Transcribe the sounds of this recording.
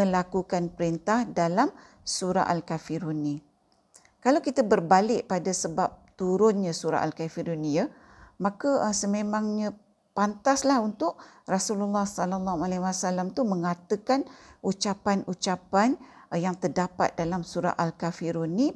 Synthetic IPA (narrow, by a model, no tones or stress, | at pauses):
ə̃lakukanpəɾint̪ahdalam | suɾa̰ʔalkafiɾunĩ | kalawkit̪abərbalɪʔpadasəbap̚t̪uɾʊnɲãsuɾa̰ʔalkafiɾunija | mãkəsəmẽmãŋɲã | pant̪aslahunt̪ʊʔ̚rasululːahsalalːahualɛwasalamt̪umə̃ŋat̪əkanut͡ʃapanut͡ʃapanjaŋt̪ərdapa̰t̪̚dalamsuɾa̰ʔalkafiɾuni